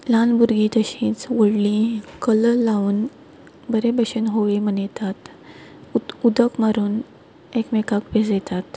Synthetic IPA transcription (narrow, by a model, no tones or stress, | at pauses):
lanbuɾɡit̪əɕĩːt͡sʋəɽlĩkələlauːn | bəɾebəɕənɦoʋemənet̪at̪ | ud̪əkmaɾuːn | ekmekakbeset̪at̪